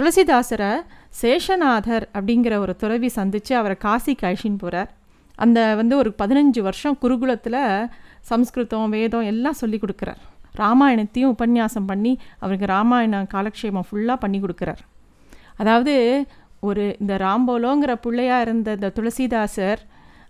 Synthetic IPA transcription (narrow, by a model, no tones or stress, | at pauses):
t̪ʊɭɐsiðaːsɐɾɐseːʂɐnaːðɐɾɐpːɐɽɪŋɡɪɾɐɔɾɯt̪ʊɾɐʋisɐnd̪ɯt͡ʃːɯɐʋɐɾɐkaːsikaːʂɪnpoːɾaːɾ | ʔɐ̰nd̪ɐʋɐnd̪ɯɔɾɯpɐðɪnɐɲd͡ʒɯʋɐɾʂɐ̃kʊɾɯɣɯɭɐt̪ːɪlɐsɐmskɾɯt̪ɔ̃ʋeːðõɛlːãːsɔlːikːɔɽɯkːɪɾa̰ːɾɾaːmaːjɐɳɐt̪ːɪjʊ̃ʊpɐnjaːsɐmpɐɳːiɐ̰ʋɐɾkːɯɾaːmaːjɐɳɐkaːlɐkʂeːmɐ̃fʊɭːaːpɐɳːikːɔɽɯkːɪɾa̰ːɾ | ɐðaːʋɐðɯ | ɔɾɯɪnd̪ɐɾaːmboːloːŋɡɐɾɐpʊɭːɐjaːɪɾɯnd̪ɐnd̪ɐt̪ʊɻɐsiːðaːsɐɾ